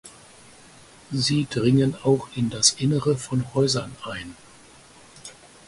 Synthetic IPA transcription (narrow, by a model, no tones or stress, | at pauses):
ziːdʁɪŋənaʊxɪndasʔɪnəʁəfɔnhɔʏzɐnʔaɪn